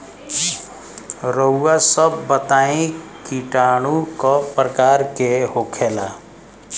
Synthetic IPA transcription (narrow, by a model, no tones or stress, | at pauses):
ɾouːasəbːət̪aːĩkiʈaːɽ̃ukɔpɾəkaːɾkeɦokʰela